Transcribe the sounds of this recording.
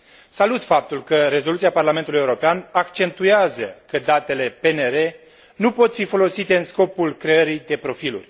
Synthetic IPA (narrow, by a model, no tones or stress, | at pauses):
salut̪fap̚t̪ulkəɾe̞zo̞lut̪siaparlame̞nt̪ulujeuɾo̞peanakt͡ʃe̞nt̪ueazəkəd̪at̪e̞le̞pe̞neɾe̞ | nupo̞t̪fifo̞lo̞sit̪e̞ɨnsko̞pulkɾe̞əɾid̪e̞pɾo̞filṵrʲ